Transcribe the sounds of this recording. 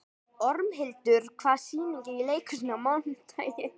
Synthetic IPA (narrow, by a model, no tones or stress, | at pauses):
ɔɾmɦɪlt̪ʏɾ̥kʰvaːsiːniɲcɪnileːjkʰʏsɪnamawnt̪ʰajjɪ